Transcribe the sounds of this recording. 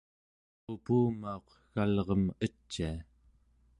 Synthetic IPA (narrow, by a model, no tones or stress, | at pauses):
upuːmao̞q | ɣalʁʌmət͡ʃːia